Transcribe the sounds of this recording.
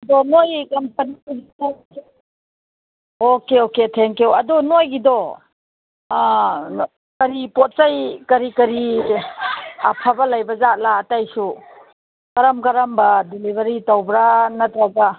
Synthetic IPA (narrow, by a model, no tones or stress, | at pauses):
dɔnojkɐmpɐnikulita | okeoketʰeŋkewɐdɔnojɡidɔ | kɐɾipɔt̚sajkɐɾikɐɾi | ɐpʰabɐlajbɐzat̚laːtajsu | kɐɾɐmkɐɾɐmbɐdelibʱɐɾitawbɾanɐtɾɐɡa